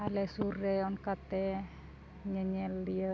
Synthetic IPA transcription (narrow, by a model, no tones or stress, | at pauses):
alɛsuɾɛɔnkat̪ɛ | ɲəɲɛliə